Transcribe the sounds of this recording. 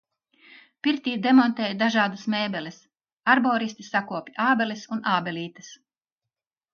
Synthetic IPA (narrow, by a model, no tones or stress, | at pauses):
piɾt̪iːd̪emɔnt̪eːjd̪aʒaːd̪usmeːbɛlʲis | aɾbɔːɾist̪isakuɔpʲiaːbɛlisunaːbɛliːt̪ɐs